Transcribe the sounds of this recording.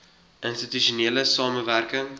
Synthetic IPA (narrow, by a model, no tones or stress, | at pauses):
ʔənstityʃoneːləsɑːməværkəŋ